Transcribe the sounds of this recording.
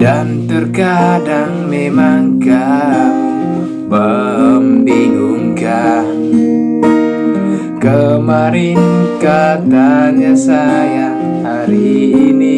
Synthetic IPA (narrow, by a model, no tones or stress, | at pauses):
dant̪ərkadaŋmemaŋka | pəmbinuŋkan | kəmaɾinkat̪aɲasaja | haɾiːni